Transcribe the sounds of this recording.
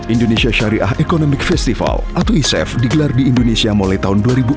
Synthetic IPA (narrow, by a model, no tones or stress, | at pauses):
ʔindonesiaʃaɾiʔa̰ɦʔekonɔmɪk̚fɛst̪ifa̰lʔat̪aisɛ̰fdiɡəlardiːndonesiamolaht̪aɦʊnduaɾibu